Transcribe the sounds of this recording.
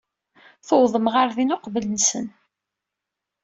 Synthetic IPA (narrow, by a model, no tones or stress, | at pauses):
θowðˤəmʁaɾðinʊqvələnsən